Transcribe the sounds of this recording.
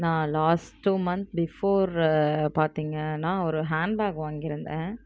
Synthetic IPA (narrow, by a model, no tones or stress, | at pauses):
nãːlaːsʈʈːuːmɐnt̪bɪfoːɾpaːɾt̪iːŋɡɐnãːɔɾɯɦaːɳɖbaːkɐʋaːŋɡɪɾɯnd̪ẽː